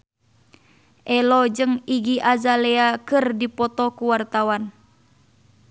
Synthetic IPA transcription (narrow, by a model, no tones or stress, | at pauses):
ʔɛlɔd͡ʒɨŋiɡiʔazalɛakɨrdipɔt̪ɔkuwart̪awan